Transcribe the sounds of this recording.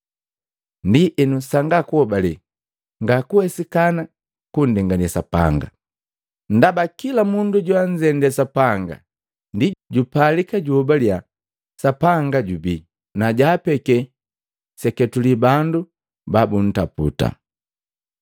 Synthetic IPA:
ndiʔɛnusaŋɡakuhɔbalɛ | ŋɡakuhɛsikana | kun̩dɛŋɡanasapa̰ŋɡa | n̩dabakilamunduɟwaɲd͡ʒɛndɛsapaŋɡa̰ | ndiɟupalikaɟuɔbalja | sapaŋɡaɟubi | naɟaːpɛkɛ | sɛkɛtulibandu | babun̩tapṵta̰

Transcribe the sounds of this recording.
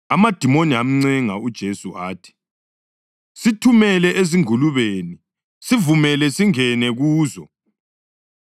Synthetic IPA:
amad̥ʱimoniam̩ŋ͡ǀɛŋa̰ud̥ʒ̥ʱesuʔaːtʰi̥ | sitʰumɛlɛʔeziŋuluβeːni | sivumɛlɛsiŋɛnɛɣuːzɔ

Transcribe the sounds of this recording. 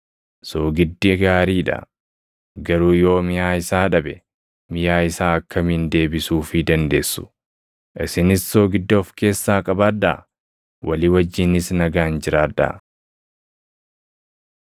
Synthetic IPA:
soːɡɪd̪ːɪɡaːɾiːᶑɐ̰ | ɡɐɾuːjo̞ːmɪjaːɪsaːᶑɐbɛ | mɪjaːɪsaːɐkːɐmɪnd̪e̞ːbɪsuːfɪd̪ɐnd̪e̞ːsːʊ̥ | ʔɪsɪnɪsːoːɡɪd̪ːoːfke̞ːsːaːkʼɐbaːd̪ːɐ̰ | wʔɐlɪwɐd͡ʒːɪnɪsnɐɡaːnd͡ʒɪɾaːd̪ːɐ̰

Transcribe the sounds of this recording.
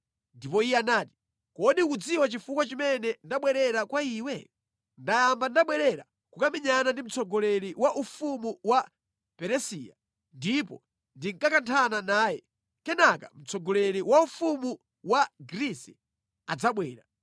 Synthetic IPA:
ndipɔijɛanaːti̥ | kɔɗikud͡ziwat͡ʃifukwat͡ʃimɛnɛndaɓwɛɾɛɾakwaiːwɛ | ndajambandaɓwɛɾɛɾa | kukamiɲanandim̩t͡sɔɡɔlɛɾiwaʔufumuwa | pɛɾɛsḭːja̰ | ndipɔ̰ | ndiŋkakantʰananaːjɛ | kɛnaka̰m̩t͡sɔɡɔlɛɾiwaufumu | waɡɾisɛ | ad͡zaɓwɛːɾa

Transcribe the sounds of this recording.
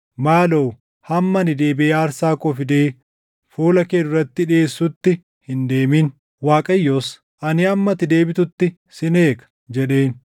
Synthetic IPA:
maːloː | hɐmːɐnɪd̪e̞ːbɪeːaːɾsaːkɔfɪd̪eː | fuːlɐkeːd̪ʊɾɐt̪ːɪᶑɪeːsːʊt̪ːɪ | hɪnd̪eːmiːn | waːkʼɐjːoːs | ʔɐnɪɐmːɐt̪ɪd̪e̞ːbɪt̪ʊt̪ːɪ | sɪne̞ːkɐ̥ | d͡ʒɛᶑe̞ːn

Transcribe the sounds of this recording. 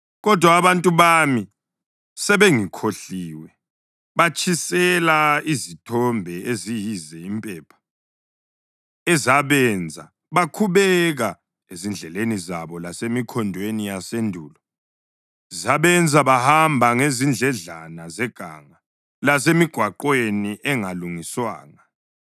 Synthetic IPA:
ɣɔd̥ʱwaːβantʼuβami | sɛβeŋikʰoɬiːwɛ | βat͡ʃʰʼisɛlaizitʰɔmbʱɛezijizɛimpʼɛːpʰḁ | ɛzaβɛnd͡zʱa̰ | βakʰuβɛɣa | ezind͡ɮʱɛlenizaβɔlasemikʰɔndʱwenijasendʱuːlɔ | zaβɛnd͡zʱaβahambʱaŋezind͡ɮʱɛɮanazɛɡ̥ʱa̰ːŋa | lasemiɡ̥ʱwaǃweniʔɛŋaluŋiswa̰ːŋa

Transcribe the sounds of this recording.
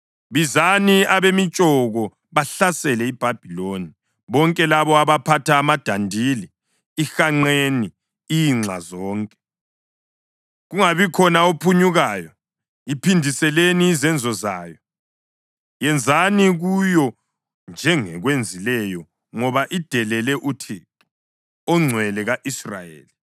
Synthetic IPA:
βizaniaβemit͡ʃʼɔɣɔ | βaɬasɛlɛib̥ʱab̥ʱiloni | βɔŋkʼɛlaβɔaβapʰatʰaːmad̥ʱandʱiliː | xaŋ͡ǀeni | iŋ͡ǁʱa̰zɔːŋkʼɛ̥ | ɣuŋaβikʰɔnaopʰuɲuɣajɔ | ipʰindʱisɛleniːzɛnd͡zʱɔzaːjɔ | jɛnd͡zʱaniɣujɔ | nd͡ʒʱɛŋɛɣwend͡zʱilɛjɔ | ŋɔβaʔid̥ʱɛlɛlɛʔutʰitu̥ | ɔŋ͡ǀʱwɛlɛɣaʔisra̰jḛːli

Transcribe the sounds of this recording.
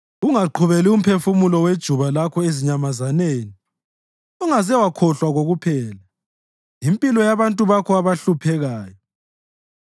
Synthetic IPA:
uŋaǃʰuβelium̩pʰefumulɔwed̥ʒ̥ʱuβalakʰɔeziɲamazaneːni | uŋazɛwakʰɔɬwaɣoɣupʰɛːla | impʼilɔjaβantʼuβakʰɔaβaɬupʰɛɣaːjɔ

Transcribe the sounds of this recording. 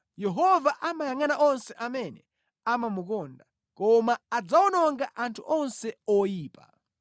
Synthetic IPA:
jɛɦɔvaʔamajaŋanaʔɔnsɛʔamɛnɛ | amamukɔːnda | kɔmaad͡zawɔnɔŋɡaʔantʰuʔɔnsɛɔjiːpa̰

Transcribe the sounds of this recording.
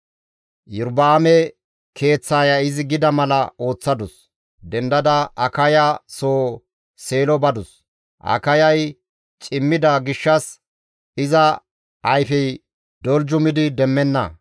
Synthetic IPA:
jʊɾbaːmɛ | kʰe̞ːt͡sːaːjɐɪzɪɡɪd̪ɐmɐlɐo̞ːt͡sːɐd̪ʊs | d̪ɛnd̪ɐd̪ɐɐkɐjasoː | se̞ːlɔbɐd̪ʊs | ʔɐ̰kɐjɐj | t͡ʃʼɪmːɪd̪ɐɡɪʃːɐs | ɪzɐ | ʔɐjfɛj | d̪̥ɔld͡ʒʊmɪd̪ɪd̪ɛmːɛnːɐ̰

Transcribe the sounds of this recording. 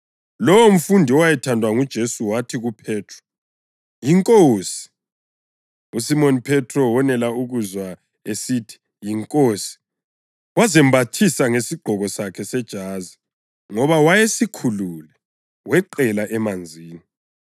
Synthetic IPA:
lɔwom̩fundʱiɔwajɛtʰandʱwaŋud̥ʒ̥ʱesuwatʰiɣupʰɛːtʰrɔ̥ | jiŋkʼoːsi̥ | usimonipʰɛtʰrɔwɔnɛlauɣuzwa | esitʰi̥ | jiŋkʼosi̥ | wazɛmbʱatʰisaŋesiɡ͡ǃʱɔɣɔsakʰɛsɛd̥ʒ̥ʱaːzi | ŋɔβawajesikʰululɛ | wɛǃɛlaʔɛmand͡zʱiːni

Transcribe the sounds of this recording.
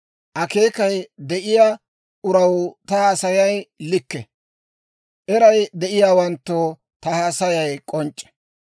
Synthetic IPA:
ʔɐke̞ːkɐjd̪ɛʔɪja | ʔʊɾɐwt̪ɐhaːsɐjɐjlɪkːɛ | ʔɛɾɐjd̪ɛʔɪjaːwɐnt̪ːoː | t̪ɐhaːsɐjɐjkʼɔnt͡ʃʼːɛ̥

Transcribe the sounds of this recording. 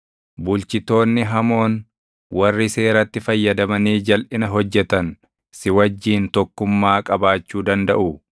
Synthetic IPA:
bʊlt͡ʃɪt̪o̞ːnːɪɦɐmo̞ːn | wɐrːɪse̞ːɾɐt̪ːɪfɐjːɐd̪ɐmɐniːd͡ʒɐlʔɪnɐɦɔd͡ʒːɛt̪ɐn | sɪwɐd͡ʒːiːnt̪ɔkːʊmːaːkʼɐbaːt͡ʃːuːd̪ɐnd̪ɐ̰ʔʊ

